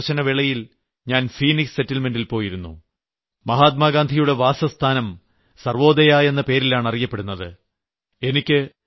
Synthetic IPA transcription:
ɕɐnɐʋiɭɐjil | ɲaːnfiːniksse̞tːɐlme̞ndilpo̞ːjiɾunːṵ | mɐɦaːt̪̚maːɡaːnd̪ʱijuɽe̞ʋaːsɐst̪ʰaːnɐm | sɐrʋo̞ːd̪ɐjaːje̞nːɐpe̞ːɾilaːɳɐrijɐpːeɽunːɐðɨ | e̞nikʲːɨ

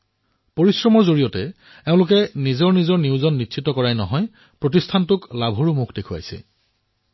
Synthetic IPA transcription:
poɹisɹɔmɔɹzoɹijɔtɛ | eʊ̃lʊk̬ɛnizɔɹnizɔɹniʊzɔnːitːsʰitːɔkɔɹajnɔɦɔj | pɹot̬istʰantʊklabʱoɹumukʰdekʰuja̰jsɛ̰

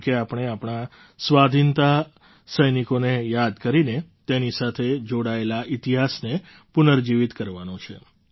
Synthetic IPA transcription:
keapɳ̃eapɳ̃a | sʋad̪ʱint̪a | səjnikonejad̪kəɾinet̪enisat̪ʰed͡ʒoɽaelaʔit̪iɦasne | punəɾd͡ʒiʋit̪kəɾʋanõt͡ʃʰḛ

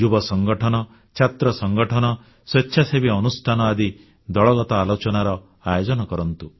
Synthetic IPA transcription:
d͡ʒubɔsɔŋɡɔʈʰɔnɔ | t͡ʃʰat̪ɾɔsɔŋɡɔʈʰɔnɔ | setːʃʰasebiɔnusʈʰanɔad̪i | d̪ɔɭɔɡɔt̪ɔalot͡ʃɔnaɾɔ | ajod͡ʒɔnɔkɔɾɔnt̪u

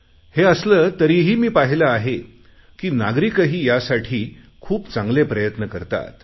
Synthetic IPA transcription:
heəsləːt̪əɾiɦiːmiːpaɦilaaɦe | kiːnaɡɾikəɦiːjasaʈʰiː | kʰuːpt͡sãŋɡlepɾəjət̪nəkəɾt̪a̰t̪

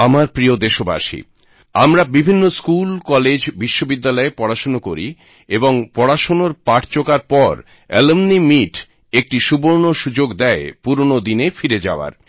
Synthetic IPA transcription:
amaɾpɾiod̪eʃoba̰ʃḭ | a̰mɾabibʱinːoskulkɔled͡ʑbiʃːobid̪ːalɔepɔɽaʃonokoɾḭ | eboŋpɔɽaʃonoɾpaʈʰt͡ɕokaɾpɔɾ | ɛ̰lomnimiʈ | ek̚ʈiʃuboɾnoʃud͡ʑoɡd̪ɛepuɾonod̪inefiɾed͡ʑa̰oa̰ɾ

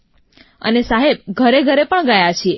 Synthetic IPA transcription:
ə̰nesaɦeb̚ɡʱəɾeɡʱəɾepəɳɡəjat͡ʃʰie

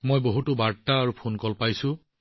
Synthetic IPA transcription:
mojboɦutʊbaɹtaːɹupʰunkɔlpajsʊ̃

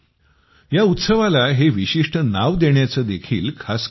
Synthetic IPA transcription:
jaut̪səʋalaɦeʋiɕiʂʈənaʋd̪eɳjat͡səːd̪ekʰiːlkʰas

